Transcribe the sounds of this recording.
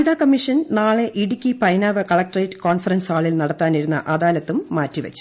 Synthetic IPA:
ðaːkɐmːiʂɐnnaːɭe̞ʔiɽikʲːipɐjnaːʋɐkɐɭɐk̚ʈrɐjʈːɨ̥koːnfɐrɐnsaːɭilnɐɽɐt̪ːaːniɾunːɐ̰ʔɐðaːlɐt̪ːumːaːtːiʋɐ̰t͡ɕːu̥

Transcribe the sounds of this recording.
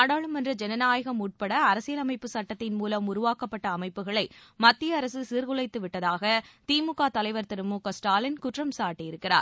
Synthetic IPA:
aːɽaːɭɯmɐndrɐd͡ʒɛnɐnaːjɐɣɐmuːʈ̚pɐɽɐːɾɐsɪjɐlɐmɐɪpːɯsɐʈːɐt̪ːɪnmuːlɐmʊɾʊʋaːkɐpːɐʈːɐːmɐɪpːɯɣɐɭɐɪmɐt̪ːɪjɐːɾɐsɯsiːɾɣʊɭɐɪt̪ːɯʋɪʈːɐðaːɣɐt̪iːmʊkːaːt̪ɐlɐɪʋɐɾt̪ɪɾɯmukɐsʈaːlɪnkʊʈrɐmsaːʈːijɪɾɯkːɪra̰ːɾ

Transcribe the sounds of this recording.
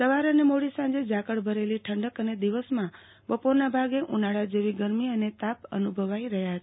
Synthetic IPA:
səʋaɾənemoɽisãɲd͡ʒed͡ʒakəɽbʱəɾeliʈʰəɳɖəkəned̪iʋəsmã | ʋəpoɾnabʱaɡeʔunaɭad͡ʒeʋiɡəɾmiənet̪apə̰nubʱəʋaiɾəɦjaɦət̪a

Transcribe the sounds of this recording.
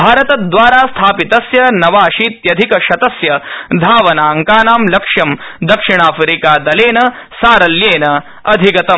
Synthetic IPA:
bʱaːɾɐt̪ɐd̪ʋaːɾaːst̪ʰaːpit̪ɐsjɐnɐʋaːʃiːt̪jɐd̪ʱikɐʃɐt̪ɐsjɐd̪ʱaːʋɐnaːɐŋkaːnaːmlɐkʂjɐmd̪ɐkʂiɳ̃aːfɾiːkaːd̪ɐleːnɐ | saːɾɐljeːnɐ | ɐd̪ʱiɡɐt̪ɐ

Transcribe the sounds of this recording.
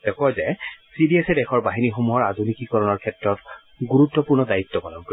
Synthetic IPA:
dɛkɔɔzɛsidiɛsɛdɛxʰɔɹbaɦinixomuɦɔɹadʱunikikɔɹɔnɔɹkʰɛtɹɔt | ɡuɹutːɔpuɹnɔdajit̪ːɔpɔlɔɡ

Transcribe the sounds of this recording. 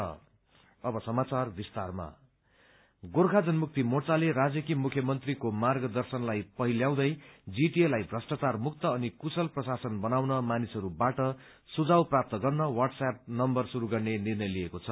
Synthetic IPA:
ʌ̰ | ʌbʌsʌmat͡sarbist̪arma̰ | ɡorkʰad͡zʌnmuk̚t̪imot͡saleɾad͡zjʌkimukʰjʌmʌnt̪rikomarɡʌd̪ʌrsʌnlajpʌɦiljaw̃d̪ʌjd͡ziʈielajbʱrʌsʈat͡sarmuk̚t̪ʌːnikusʌlprʌsasʌnbʌnawnʌmanisʌɾubaʈʌ | sud͡zawprap̚t̪ʌɡʌrnʌwaʈsap̚nʌmbʌrsuɾuɡʌrnenirnʌjliekot͡sʰʌ

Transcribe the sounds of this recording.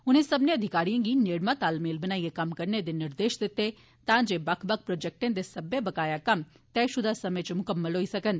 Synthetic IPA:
ʊnẽsɐbneɐd̪ʱɪkaːɾijãːɡineːɽmãt̪aːlmeːlbɐnaːiekɐmkɐɾned̪enɪɾd̪eːʃd̪ɪt̪ːe | t̪ãːd͡ʒebɐkʰbək̚ʰpɾoːd͡ʒɛk̚ʈẽːd̪esɐbebɐkaːjakɐm | t̪ɛːʃʊd̪ʱasɐmə̃t͡ʃmʊkəmːəlɦoːisɐkən

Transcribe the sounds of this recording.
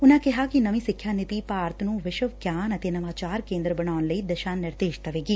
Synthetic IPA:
unaːkeɦaːkinɐmisikʰːjaːnit̪ipaːɾt̪ʰɐnuʋeʃɐʋɡjaːnɐt̪enɐmaːt͡ʃaːɾkeːnd̪ɾɐbɐɳaːnlɐjd̪ɐʃaːnːɐɾd̪eːʃt̪ɐʋeːɡi

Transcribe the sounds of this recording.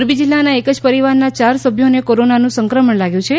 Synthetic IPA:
ɾbid͡ʒilːanaekəd͡ʒpəɾiʋaɾnat͡ʃaɾsəbʱjonekoɾonanũsəŋkɾəməɳlaɡjũt͡ʃʰe

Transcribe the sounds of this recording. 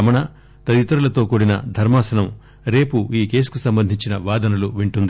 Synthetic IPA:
ɐmɐɳɐ | t̪ɐd̪it̪ɐɾulɐt̪o̞ːkoɽinɐ̰d̪ʱɐɾmaːsɐnɐm | ɾe̞ːpuiːke̞ːsu̥kusɐmbɐnd̪ʱiɲt͡ʃinɐʋaːd̪ɐnɐluʋiɳʈund̪i

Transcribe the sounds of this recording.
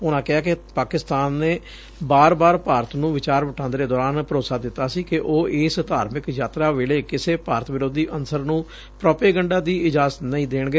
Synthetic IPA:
ʊnãːkɪɦaːkɪpaːkɪst̪aːnːeː | baːɾbaːɾpaːɾət̪nũːʋɪt͡ʃaːɾʋəʈʰãːnd̪ɾeːd̪ɔːɾaːnpəɾoːsaːd̪ɪt̪ːaːsiːkɪʔoːʔeːst̪aːɾmɪkjaːt̪ɾaːʋeːleːkɪseːpaːɾət̪ʰʋɪɾoːd̪iːʔənsəɾnũː | pɾɔːpeːɡəɳɖaːd̪iːɪd͡ʒaːzət̪nəĩːd̪eːɳɡeː

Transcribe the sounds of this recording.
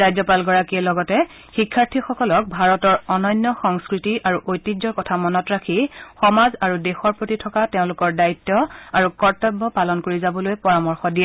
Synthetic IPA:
ɹajzɔpalɡɔɹakiɛlɔɡɔtɛ | xikʰːaɹtʰixɔkɔlɔk̚bʱaɹɔtɔɹɔnɔjnːɔxɔŋskɹitiʔaɹuʔojtːid͡ʒɔɹkɔtʰamɔnɔtɹakʰixɔmazaɹudɛxɔɹpɹotitʰɔkateʊ̃lʊkɔɹdaitːɔaɹukɔɹtɔbʱːɔpalɔnkoɹizabɔlojpɔɹamɔɹxɔdiɛ

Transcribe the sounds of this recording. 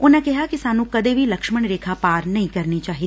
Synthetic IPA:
ʊnãkɛɦakisaːnũːkɐd̪eːbʱilɐkʃməɳɾeːkʰapaːɾnɐɦĩkɐɾnit͡ʃaːɦiːt̪ː

